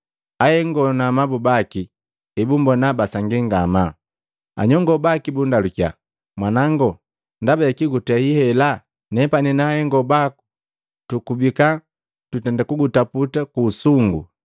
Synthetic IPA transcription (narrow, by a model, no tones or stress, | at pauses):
ahɛŋɡɔnamabubaki | ɛbumbɔnabasaŋɡiŋɡama | a̰ɲɔŋɡɔbakibundalukja̰ | mwanaŋɡɔ | ndabakiɡutɛhihɛla | nɛpaninahɛŋɡɔbaku | tukubika | tutɛndakuɡutaputakuːsuŋɡṵ